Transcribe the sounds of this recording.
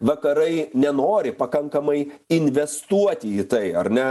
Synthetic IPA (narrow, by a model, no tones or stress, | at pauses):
ʋɐkɐɾɐɪnʲɛnoːɾʲɪpɐkɐŋkɐmɐɪɪnʲʋʲɛst̪uɔt̪ʲɪiːt̪ɐɪɐɾnʲɛ